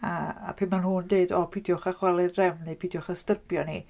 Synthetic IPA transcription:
a̰ːpʰɪnmanhʊndeːdɔpʰidjɔχaχwalˠɛdrɛwnɨpʰidjɔχastərbjɔni

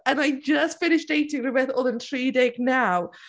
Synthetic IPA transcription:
ə̃naɪd͡ʒsfɪnɪʃd̥eɪtɪ̃ŋɹɨbɛθɔlˠə̃nθɹ̥idɛɡnaʊ

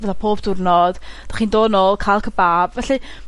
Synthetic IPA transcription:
vəθapʰoːbdʊrnɔd̥d̥aχiːndoːnoːlˠkʰajlˠkʰəbaːbvɛɬi

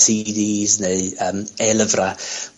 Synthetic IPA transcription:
sidiːzneɨəːmɛlˠəvra

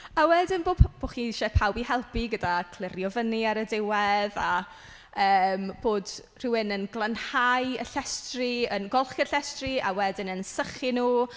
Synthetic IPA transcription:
awɛdɪnboːb̥oːχiʃɛpʰawbihɛlˠpiɡədakʰl̥ˠɪrjɔvəniaɾədɪwɛða | əːmb̥oːd | r̥ɪwɪnənɡlˠənhajəɬɛstriənɡɔlˠχɛ̥ɬɛstria̰wɛdɪnənsəχɪnuː

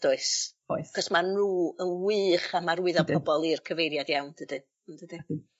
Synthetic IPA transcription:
d̥ʊɨsojθaχɔsmanruːənwɨːχamaɾwɪðɔ̥pʰɔbɔlˠirkʰəvejɾjadjawnd̥ədɨ | ndədɨ

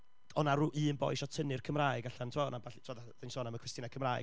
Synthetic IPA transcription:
ɔnaɾuːʔɨːnbɔ̰jʃɔtʰənɨrkʰəmraːɨɡaɬantʰwɔnabaɬitʰaðaðensoːnaməkʰwɛstɨnakʰəmraːj

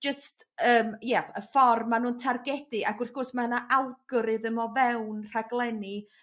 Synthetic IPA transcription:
d͡ʒəst | əːmjaəfɔrmːanuːntʰarɡɛdɨʔaɡʊrθɡ̥ʊrsmaənaʔalˠɡɔɾɨðəmɔvɛwnr̥aɡlˠɛni

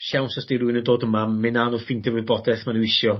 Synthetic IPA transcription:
ʃawnsɔsd̥ijɾuɨnəndoːdəmamːɪnaːnɔfɪndɛrwɪbɔdɛθmanəwɪʃjɔ

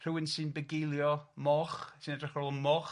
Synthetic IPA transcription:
r̥ɨwɪnsɨːnbəɡɪjlˠjɔmɔχsɨːnɛdrɪχrolˠɔmɔχ

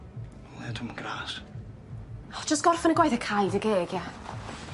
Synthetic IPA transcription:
lɛtʰʊməɡ̥ɾaːs | ɔ̥d͡ʒəstɡ̥ɔrfanəɡwajθəkʰajdəɡeːɡja

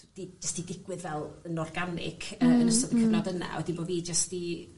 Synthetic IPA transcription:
d̥id͡ʒəstidɪɡwɨðvɛlˠənɔrɡanɪ̰kʰəənəstɔðəkənadəna̰ɛdinboːviːd͡ʒəsti

